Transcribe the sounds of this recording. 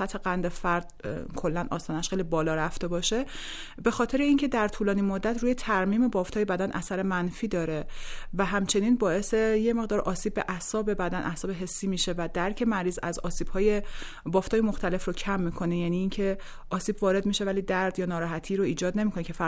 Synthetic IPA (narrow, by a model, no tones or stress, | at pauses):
æt̪ʰheɣænd̪efæɾd̪̥̚kʰo̞lːænʔɒ̰ːst̪ɒːnæʃxejlibɒːlɒːɾæft̪e̞bɒːʃe̞ | be̞xɒːt̪ʰe̞ɾeiŋcʰe̞d̪æɾt̪ʰuːlɒːniːmod̪ːæt̪ʰɾuːjet̪ʰæɾmiːme̞bɒːft̪ʰɒːjebæd̪ænʔæsæɾe̞mænfiːd̪ɒːɾe̞væɦæmt͡ʃʰe̞niːnbɒːe̞sejeme̞ɣd̪ɒːɾʔɒːsiːb̚ːe̞̰ʔæhsɒːbe̞bæd̪ænʔæhsɒːbe̞ɦe̞sːiːmiʃe̞væd̪æɾcʰe̞mæɾiːzæ̰zɒ̰ːsiːb̥hɒːje | bɒːft̪ʰɒːjemoxt̪ʰæle̞frocʰæmːiːkʰo̞nejæniːncʰe̞ | ʔɒːsiːbvɒːɾe̞d̪miʃe̞væliːd̪æɾd̪jɒːnɒːɾɒːɦæt̪ʰiːɾoiːd͡ʒɒːd̪ne̞mikʰonecʰe̞fæ